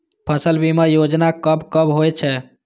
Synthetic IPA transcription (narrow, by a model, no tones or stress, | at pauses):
pʰəsəlbimejod͡ʒnakəbkəbɦojt͡ʃʰɛ